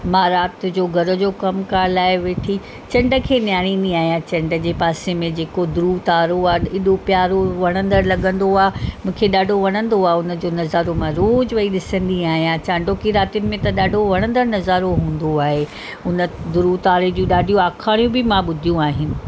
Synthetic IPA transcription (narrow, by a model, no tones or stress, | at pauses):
mãːɾaːt̪d͡ʑoːɡʱɐɾə̆d͡ʑoːkɐmkaːlaːɦɪʋeːʈʰi | t͡ɕɐ̃ɳɖə̆kʰeːnjaːɽ̃ĩnd̪iaːɦijãt͡ɕɐ̃ɳɖə̆d͡ʑeːpaːsemẽd͡ʑeːkod̪ʊɾut̪aːɾoaːɪɗopjaːɾoʋɐɽ̃ə̃nd̪əɾlɐɠə̃nd̪oaːmũːkʰeɗaːɖʱoʋɐɽ̃ə̃nd̪oaːʊnə̆d͡ʑoːnɐzaːɾomãɾoːd͡ʑʋɐiɗɪsə̃nd̪iaːɦijãt͡ɕãːɳɖʱokiɾaːt̪ijʊnɪ̆mẽt̪ɐɗaːɖʱoʋɐɽ̃ə̃nd̪əɾnɐzaːɾoɦũːn̆d̪oaːɦe | ʊnə̆d̪ʊɾut̪aːɾed͡ʑũɗaːɖʱijoaːkʰaːɽ̃ijũbɪmãɓʊd̪ʱijũaːɦɪnɪ̆